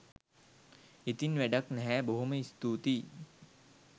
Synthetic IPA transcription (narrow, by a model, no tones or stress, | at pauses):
it̪inʋɛɖɐknɛɦɛbɐɦumɐist̪uːt̪i